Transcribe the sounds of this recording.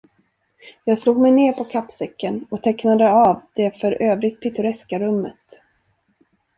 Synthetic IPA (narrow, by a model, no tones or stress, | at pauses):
jɑːɡsluːɡ̚mɛjneːɾpʰɔkʰapːsɛkːənɔt̪ʰɛknad̪əavd̪̥ɛfœɾøːvɾɪɡt̪̚pʰɪt̪ɵɾɛskaɾɵmːət̪